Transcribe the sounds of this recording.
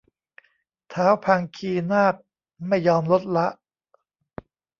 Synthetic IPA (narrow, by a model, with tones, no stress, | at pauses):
t̪ʰaː˦˥wpʰaː˧ŋkʰiː˧naː˥˩k̚ | ma˥˩jːɔː˧mlo˦˥t̪̚la˦˥ʔ